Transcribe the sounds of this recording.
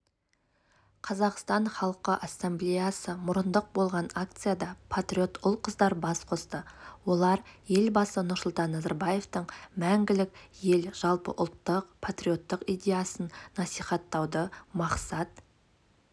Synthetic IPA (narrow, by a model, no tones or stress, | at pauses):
qʰɑzɑqst̪ɑɴχɑlˠqəʔasːemblejasəmʊɾənd̪əq̚bo̞lˠʁɑnak̚t̪sɨjad̪ɑpʰat̪ɾʲio̞t̪ʊlˠqʰəzd̪ɑɾbɑsqʰo̞st̪əwo̞lˠɑɾje̞lbɑsənʊɾsʊlˠt̪ɑnːɑzaɾbaje̞ft̪əɴmæŋɡʲɪlɪkje̞lʒ̥ɑlˠpə̰ʔʊlˠt̪ːəqpʰat̪rʲio̞t̪ːəqijd̪ʲe̞jasənnɑsijχɑt̪ːɑwd̪əmɑqsɑt̪